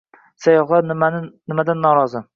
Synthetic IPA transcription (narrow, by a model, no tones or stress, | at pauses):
sajɒχlˠanmanɪnɪmad̪anːɒɾɒzɪ